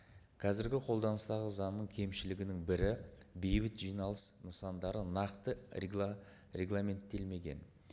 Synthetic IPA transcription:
qʰɑzɪɾɡʲɪqʰo̞lˠd̪ɑnəst̪ɑʁəzɑnnːəɴkʲʰe̞mʃɪlɪɡʲɪnɪŋbɪɾɪbe̞jbɪt̪ʒijnɑlˠəsnəsɑnd̪ɑɾənɑqt̪ə | ɾʲe̞ɡlˠamʲe̞nt̪ːe̞lme̞ɡʲe̞̰n

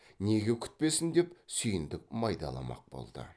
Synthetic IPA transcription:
ne̞ɡʲe̞kʲʰʏ̥t̪̚pe̞sɪnd̪e̞psʏjɪnd̪ɪk̚mɑjd̪ɑlˠɑ̰mɑ̰q̚bo̞̰lˠd̪̥ə̰

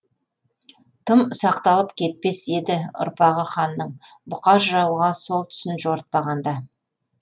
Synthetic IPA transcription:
t̪ʰəmsɑqt̪ɑlˠəpkʲʰe̞t̪̚pe̞se̞d̪ɪʊ̰ɾpɑʁəχɑnːəɴ | bʊqɑʒɾɑwʁɑso̞lˠt̪ʰʏ̥sɪnʒo̞ɾət̪̚pɑʁɑnd̪ɑ

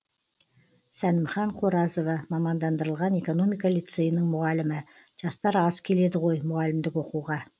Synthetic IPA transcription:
sænɪmχɑɴqʰoɾɑzo̞vɑmɑmɑnd̪ɑnd̪əɾəlˠʁɑne̞ko̞no̞mijkalit̪sejənəŋmʊʁɑlɪmɪ | ʒ̥ɑst̪ɑɾɑz̥kʲʰe̞le̞d̪ɪʁo̞jmʊʁɑlɪmd̪ɪkwo̞quʁɑ

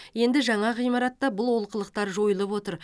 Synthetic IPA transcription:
je̞nd̪ɪʒɑɴɑʁijmɑɾɑt̪ːɑbʊlˠwo̞lˠqəlˠəq̚t̪ɑɾʒo̞jəlˠəpwo̞t̪əɾ

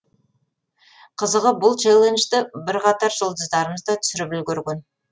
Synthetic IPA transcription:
qʰəzəʁəbʊlˠt͡ʃelˠenʒt̪ɪbɪɾqʰɑt̪ɑɾʒolˠd̪əzd̪ɑɾəməzd̪ɑt̪ʰʏ̥sɪɾɪpʏlɡʲɵɾɡʲen

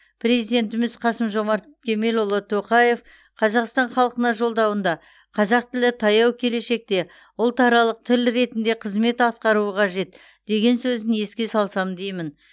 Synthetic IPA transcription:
prʲe̞zijd̪ʲe̞nt̪ɪmɪz̥qʰɑsəmʒo̞mɑɾt̪kʲʰe̞me̞lolˠət̪ʰːo̞qɑje̞f | qʰɑzɑqst̪ɑnχɑlˠqənɑʒo̞lˠd̪ɑwənd̪ɑ | qʰɑzɑq̚t̪ɪlɪt̪ʰɑjɑwkʲʰe̞le̞ʃe̞k̚t̪e̞ | ʊlˠt̪ʰɑɾɑlˠəq̚t̪ʰɪlɾe̞t̪ɪnd̪e̞qʰəzme̞t̪ɑt̪̚qɑɾuəqʰɑʒe̞t̪ | d̪̥e̞ɡʲe̞nsɵzɪnje̞skʲe̞sɑlˠsɑmd̪ejmɪn

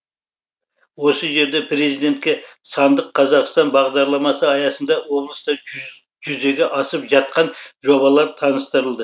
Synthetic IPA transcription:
wo̞səʒe̞ɾd̪epʰɾe̞zijd̪e̞nt̪kʲe̞sɑnd̪əqʰːɑzɑqst̪ɑnbɑʁd̪ɑɾlˠɑmɑsəɑjɑsənd̪ɑwo̞blˠəst̪ɑ | ʒʏze̞ɡʲeʔɑsəpʒɑt̪̚qɑnʒo̞βɑlˠɑɾt̪ʰɑnəst̪əɾəlˠd̪ə

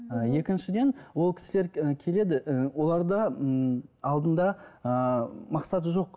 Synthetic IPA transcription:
əje̞kʲɪnʃɪd̪e̞nwo̞lˠkʲʰɪ̥sɪle̞ɾkʲʰe̞le̞d̪ɪʔwo̞lˠɑɾd̪ə | ɑlˠd̪ənd̪ɑəmɑqsɑt̪ʒo̞q

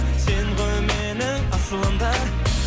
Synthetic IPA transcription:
seŋʁɵwmenɪŋɑʃəlˠəmd̪ɑ

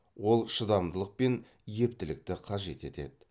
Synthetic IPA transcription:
wo̞lˠʃəd̪ɑmd̪əlˠəq̚pe̞n | je̞p̚t̪ɪlɪk̚t̪ɪqʰɑʒe̞t̪e̞t̪e̞̰d̪ɪ

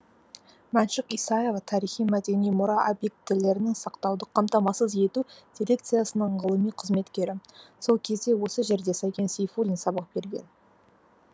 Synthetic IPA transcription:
mænʃəqijsɑje̞vɑt̪ʰɑɾijχijmæd̪e̞nijmʊɾɑʔobje̞k̚t̪ːɪle̞ɾɪnɪŋsɑqt̪ɑwd̪əqʰɑmt̪ɑmɑsəzje̞t̪ud̪̥ʲiɾʲe̞k̚t̪sijasənəɴʁəlˠəmijqʰəzme̞t̪kʲe̞ɾɪso̞lˠkʲʰe̞zd̪e̞wo̞səʒe̞ɾd̪e̞sɑjkʲe̞nsejfulʲinsɑbəq̚b̥e̞ɾɡʲe̞̰n

